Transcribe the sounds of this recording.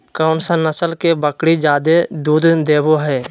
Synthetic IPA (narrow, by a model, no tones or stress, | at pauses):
kəʊnsə̃nəsəlkebəkɽid͡ʒaːd̪ed̪uːd̪d̪eːboɦɛː